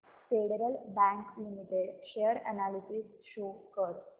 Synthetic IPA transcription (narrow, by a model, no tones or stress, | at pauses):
feɽeɾəlbæ̃ŋklimiʈeɽɕeəɾənalisisʃokəɾ